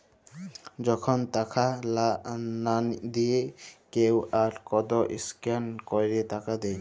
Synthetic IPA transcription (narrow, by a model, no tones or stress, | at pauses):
d͡ʑɔkʰont̪akʰalland̪iekewaɾkɔd̪ɔʔiskankɔjɾet̪akad̪ɛj